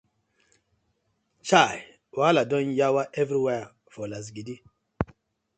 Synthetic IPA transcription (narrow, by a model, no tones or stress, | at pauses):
t͡ʃaj | waladɔ̃njawaʔɛvɾiwɛ | fɔlas̬ɡidi